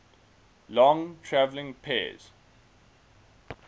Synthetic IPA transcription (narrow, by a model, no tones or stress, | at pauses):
lɔ̃ŋtʰɹævlɪ̃ŋpʰḛːz̥